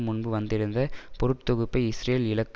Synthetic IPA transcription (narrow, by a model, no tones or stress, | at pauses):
mʊɳbɯʋɐnd̪ɪɾɯnd̪ɐpɔɾɯʈt̪ɔɣɯpːɐɪɪsɾeːlɪɭɐkː